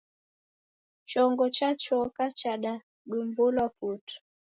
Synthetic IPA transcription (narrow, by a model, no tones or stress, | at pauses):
t͡ʃɔŋɡɔt͡ʃat͡ʃɔkat͡ʃaɗa | ɗumbulɔputu̥